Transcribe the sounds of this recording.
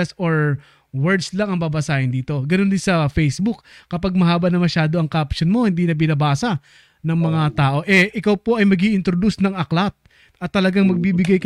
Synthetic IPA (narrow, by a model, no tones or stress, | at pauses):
soɹ | wɛɹd̪slɐŋɐŋbabɐsaːhɪnd̪iːt̪o̞ɡɐnond̪ɪnsɐfɛjsbukːɐpaɡ̚mɐɦaːbɐnɐmɐʃaːd̪o̞ʔɐŋkɐʔɐpʃonmo̞hɪnd̪iːnɐbɪnɐbaːsɐ | nɐŋmɐŋat̪aːʔo̞ʔɛʔɪkawpo̞ʔɐjmɐɡiːʔɪnt̪ɾod̪usnɐŋɐklat̪̚ | ʔɐt̪ːɐlɐɡaŋmɐɡ̚biːbɪɡajk